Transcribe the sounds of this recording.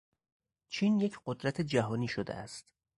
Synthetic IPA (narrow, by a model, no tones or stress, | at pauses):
t͡ʃʰiːnje̞cʰɢod̪ɾæt̪ʰe̞d͡ʒæɦɒːniːʃod̪ḛʔæ̰st̪